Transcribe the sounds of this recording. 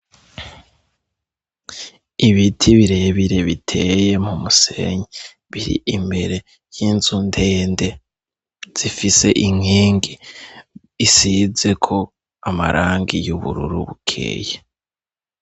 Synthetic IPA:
iβitʰiβiɾe̞ːβiɾe̞βitʰe̞je̞mumuse̞̰ɲi | βiɾḭimbe̞ɾe̞ | jinzunde̞ːnde̞ | z̥ifise̞ʔiŋ̥iːŋɡiː | size̞kʰo̞ | ama̰ɾʔaːŋɡijuβṵɾṵɾṵβukʰḛːje

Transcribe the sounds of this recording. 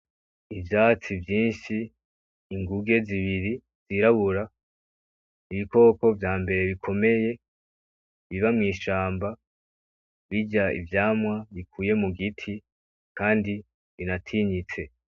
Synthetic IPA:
ivjaːt͡sivjiːʃiː | ŋɡuɡe̞ziβiɾi | z̥iɾaβuɾa | iβiko̞ːko̞vjaːmbe̞ɾe̞βikʰo̞me̞je̞ | βiβamŋiːʃaːmba | βiɟaḭvjaːmwaβikʰuːje̞muɡitʰi | kaːndi | βinatʰiɲit͡se̞

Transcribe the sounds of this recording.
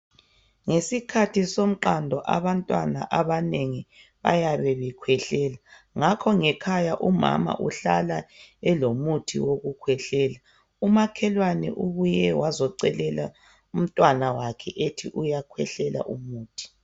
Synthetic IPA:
ŋesikʰatʰisom̩ǃandʱɔʔaβantʼwa̰na̰ʔaβaneŋi | βa̰jaβɛβɛkʰwɛɬɛːla | ŋakʰɔŋɛkʰajaʔuma̰ma̰ʔuɬalaɛlomutʰḭwoɣukʰwɛɬɛːla | umakʰɛlwanɛ̰ʔuβujɛwazɔǀɛlɛla | um̩tʼwanawakʰɛʔetʰiʔujakʰwɛɬɛla̰ʔumuːtʰi̥

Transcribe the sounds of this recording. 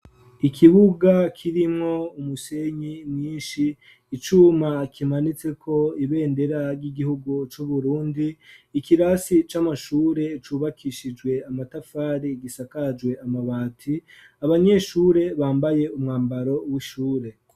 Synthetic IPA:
ikʰiβuɡakʰiɾimŋo̞umuse̞ɲimɲiːnʃiː | t͡ʃumakʰimanit͡se̞kʰo̞iβe̞ːnde̞ɾaɾɡiɡihuɡut͡ʃuβuɾuːndiːkiɾasit͡ʃamaʃuːɾe̞t͡ʃuːβakʰiʃid͡ʒwe̞amatafaːɾiɡisakad͡ʒɡwe̞amaβaːtʰi | aβaɲe̞ʃuːɾe̞βaːmbaje̞umŋaːmbaɾo̞wiʃuːɾe̞

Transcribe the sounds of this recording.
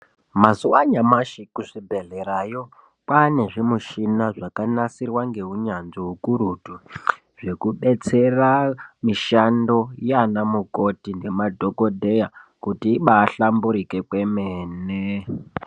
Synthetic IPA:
mazuwaɲamaʃikuʐibʱe̞ɮeɾajo | kwane̞ʐimuʃinaʐakanasirwaŋɡe̞uɲanʐiɦukuɾutu | ʐ̥e̞kuɓe̞t͡se̞ramiʃando̞janamuko̞tinde̞madʱokodʱejakutiiɓaːɬambuɾike̞kwe̞meːne

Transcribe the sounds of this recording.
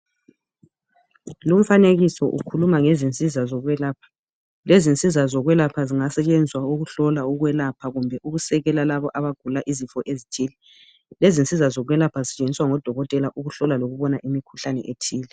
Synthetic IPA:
lum̩faneɣisɔ̰ʔṵkʰulumaŋezint͡sʼizazɔɣwɛlaːpʰḁ | lezint͡sʼizazɔɣwɛlapʰaziŋasɛt͡ʃʼend͡zʱwauɣuɬɔlauɣwɛlapʰaɣumbʱɛʔuɣusɛɣɛlalaβɔʔaβaɡ̥ʱulaʔizifɔʔezitʰiːlɛ | lezint͡sʼizazɔɣwɛlapʰazit͡ʃʼeniswaŋɔd̥ʱɔɣɔtʼɛlaʔuɣuɬɔlaloɣuβɔnaʔimikʰu̥ɬanɛ̰ʔetʰiːlɛ

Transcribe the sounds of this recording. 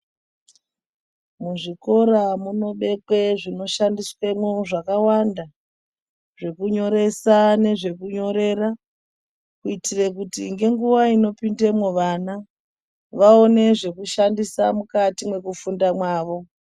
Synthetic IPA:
muʐiko̞ɾamuno̞ɓe̞kwe̞ʐino̞ʃandiswe̞moʐakawanda | ʐe̞kuɲo̞ɾe̞sane̞ʐe̞kuɲo̞ɾe̞ra | kuitire̞kutiŋɡe̞ŋɡuʋaino̞pinde̞mwoʋana | ʋao̞ne̞ʐe̞kuʃandisamukatimwe̞kufundamwaːʋo̞

